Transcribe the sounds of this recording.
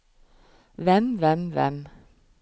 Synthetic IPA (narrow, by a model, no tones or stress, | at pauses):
ʋɛnʋɛnʋɛ̰n